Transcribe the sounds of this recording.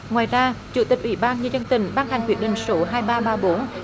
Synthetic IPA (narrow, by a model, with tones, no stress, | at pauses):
ŋwaː˨˩jzaː˧t͡ɕṵ˧˨˩t̪i˨˩k̟̚ʔwḭ˧˦ɓaː˧nɲɨ˧zə˧nt̪ï˧˩ŋ̟ɓaː˧nha˨˩jŋ̟kwi˧˩ət̚ɗḭ̈˧˨˩ŋ̟so˨˦ɦaː˧jɓaː˧ɓaː˧ɓo˨˦n